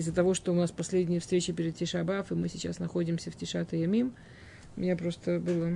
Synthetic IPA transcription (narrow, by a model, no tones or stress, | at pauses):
ɪzːət̪ɐvo̞ʂt̪oʊnaspɐsʲlʲedʲnʲɪjəfst̪ɾʲet͡ɕɪpʲɪɾʲɪd̪̚tʲɪʂɐbafɨmɨsʲɪt͡ɕa̰snɐxo̞dʲɪmsʲəfʲtʲɪʂat̪ɨjɐmʲim | ʊmʲɪnʲapɾo̞st̪əbɨlˠə